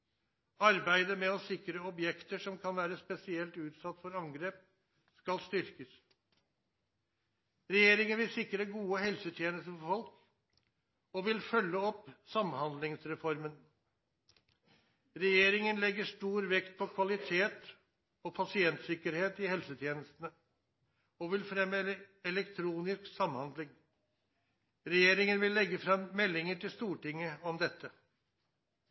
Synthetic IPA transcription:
ɑɾbæɪd̪əmɛɔsɪkɾəɔbjɛkt̪əʂɔmkʰɑnʋæːɾəspɛsɪɛlt̪ʉːt̪sɑt̪ːfɔɾɑŋɡɾeːp̚ | skɑlst̪ʏɾkəs | ɾɛjeːɾɪŋənʋɪlsɪkɾəɡuːəhɛlsət̪ʰjeːnəst̪əfɔfɔlk | ɔʋɪlfœlːəɔpsɑmhɑnd̪lɪŋsɾɛfɔɾmən | ɾɛjeːɾɪŋənlɛɡːəʂʈ̪uːɾʋɛkt̪̚pʰɔkʰʋɑlɪt̪ʰeːt̪ | ɔpʰɑsɪɛnt̪sɪkəɾheːt̪ɪhɛlsət̪ʰjeːnəst̪ən̩ə | ɔʋɪlfɾɛmːəɛlɛkt̪ʰɾuːnɪsksɑmhɑnd̪lɪŋ | ɾɛjeːɾɪŋənʋɪlːɛɡːəfɾɑmmɛlːɪŋəʈʰɪlst̪uːʈɪŋːəɔmd̪ɛt̪ʰːə

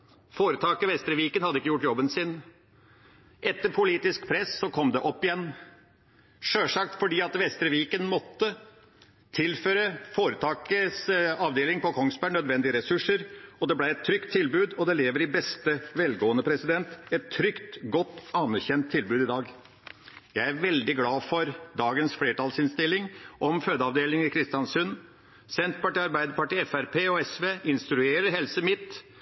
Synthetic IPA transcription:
foːɾət̪ʰɑːkəʋɛst̪ɾəʋiːkənhɑd̪əɪkːəjʊʈːjɔbːənsɪn | ʔɛt̪ːəɾpʰʊliːt̪ɪskpʰɾɛsːɔkʰɔmd̪ɛʔɔpːɪjɛnː | ʂøːʂɑk̚t̪fɔɖiːɑt̪ʋɛst̪ɾəʋiːkənmɔt̪ːə | t̪ʰɪlføːɾəfoːɾət̪ʰɑːkəsɑʋd̪eːlɪŋpɔkʰɔŋsbæɳœd̪ʋɛnd̪ɪəɾɛsʉʂəɾɔd̪ɛblæɪɛt̪ʰːɾʏkt̪ʰːɪlbʉːd̪ɔd̪ɛleːʋəɾɪbɛst̪əʋɛlɡoːənəpʰɾɛsɪd̪ɛnt̪ɛt̪ʰːɾʏkt̪ɡɔt̪ːɑnæɾçɛnt̪ʰːɪlbʉːd̪ɪd̪ɑːɡ | jæɪæɾʋɛld̪ɪɡlɑːfɔɾd̪ɑːɡənsfleːʈɑːlsɪnst̪ɪlɪŋʔɔmføːd̪əɑʋd̪eːlɪŋəɾkʰɾɪst̪ɪjɑnsʉn | sɛnt̪pɑʈiːɑɾbæɪd̪əɾpɑʈiːɛfæɾpʰeːɔɛsʋeːʔɪnst̪ɾʉeːɾəɾɦɛlsəmɪt̪ː

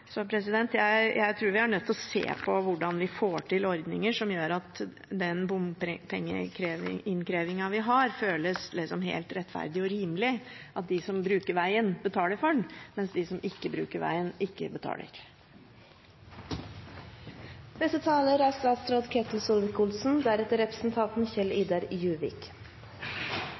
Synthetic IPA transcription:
sɔpʰɾɛsɪd̪ɛnt̪jæɪjæɪt̪ʰɾuːɾʋɪɑɳœt̪ːɔsḛːpʰɔʋʊɖɑnʋɪfoːʈʰɪlɔɾd̪nɪŋəʂɔmjøːɾɑt̪ | d̪ɛnbʊmpʰɛŋːə̰kʰɾeːʋɪ̰ɪnkʰɾeːʋɪŋɑʋɪɦɑɾføːləslɪsɔmɦḛɪlt̪ɾɛt̪ːfæ̰ɾd̪ɪɔɾiːmlɪʔɑt̪̚d̪ɪsɔmbɾʉːkəɾʋæɪənbət̪ʰɑːləɾfɔɳmɛnsd̪ɪsɔmɪkːəbɾʉ̰ːkəɾʋæ̰ɪənɪkːə̰bət̪ʰɑ̰ːlʔə̰ɾ | d̪ɛsət̪ʰɑːləɾæɾst̪ɑːt̪sɾɔːd̪kʰɛt̪l̩sɔlʋɪkʊlsn̩d̪æɾɛt̪ːəɾɛpɾəsn̩t̪ʰɑnt̪nçɛliːd̪ɑɾjʉːʋɪ̰k

